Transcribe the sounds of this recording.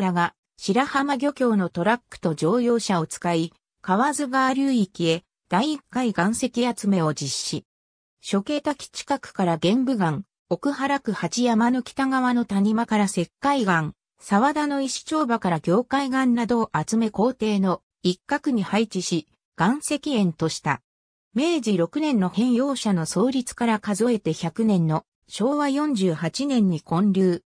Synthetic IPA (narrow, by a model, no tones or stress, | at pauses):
ɾaɡa | ɕiɾahamaɡʲo̞kʲo̞ːno̞t̪o̞ɾakːɯ̟̥t̪o̞d͡ʑo̞ːjo̞ːɕao̞t͡sɨ̥kai | kaβazɨɡaːɾʲɯːikʲie̞ | d̪̥aiːkːaiɡãɰ̃se̞kʲiat͡sɨme̞o̞d͡ʑiɕːi | ɕo̞ke̞ːt̪akʲi̥t͡ɕi̥kakɯ̥kaɾaɡẽ̞mbɯ̟ɡãŋ | o̞kɯ̟haɾakɯ̟hat͡ɕijamano̞kʲi̥t̪aɡaβano̞t̪aɲ̟imakaɾase̞kːaiɡãŋ | saβad̪ano̞iɕi̥t͡ɕo̞ːbakaɾaɡʲo̞ːkaiɡãnnad̪o̞ʔat͡sɨme̞ko̞ːt̪e̞ːno̞ | ikːakɯ̟ɲ̟ihait͡ɕiɕi | ɡ̥ãɰ̃se̞kʲiẽ̞nt̪o̞ɕi̥t̪a̰ | me̞ːd͡ʑiɾo̞kɯ̟nẽ̞nːo̞hẽ̞ɰ̃jo̞ːɕano̞so̞ːɾʲit͡sɨ̥kaɾakazo̞e̞t̪e̞çʲakɯ̟nẽ̞nːo̞ | ɕo̞ːβajõ̞ɲ̟d͡ʑɨːhat͡ɕinẽ̞ɲ̟ːikõ̞ɲɾʲɯː